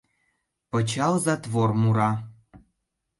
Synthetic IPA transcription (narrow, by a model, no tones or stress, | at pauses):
pɤ̆t͡ɕɑlˠzɑt̪vormuɾɑ